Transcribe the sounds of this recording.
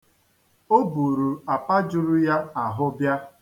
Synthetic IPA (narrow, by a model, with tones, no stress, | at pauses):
o˦bu˨ɾu˨a˨pa˦d͡ʒʊ˨ɾʊ˦ja˦a˨ɦʊ˦bja˦